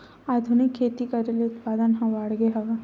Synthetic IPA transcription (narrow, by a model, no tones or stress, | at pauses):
aːd̪ʱunɪkʰːeːt̪ikɐɾelʊt̪paːd̪ənɦɐ̃ʋaːɽɡeɦɐʋa